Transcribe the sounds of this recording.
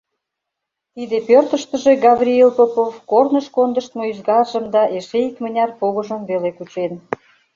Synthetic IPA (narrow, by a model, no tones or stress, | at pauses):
t̪id̪epørt̪əʃt̪ə̆ʒeɡɑβrʲielpəpofkornəʃkond̪əʃt̪moyzɣɑrʒəmd̪ɑʔeʃeikmənʲɑrpoɣəʒəmvelekut͡ɕen